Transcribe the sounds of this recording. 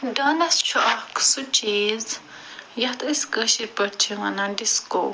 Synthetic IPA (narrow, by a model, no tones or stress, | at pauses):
d̪anãst͡ʃʰoʔaksut͡ʃiz | jat̪ʔeskəʃiɾpət͡ʃiwãnãnd̪isko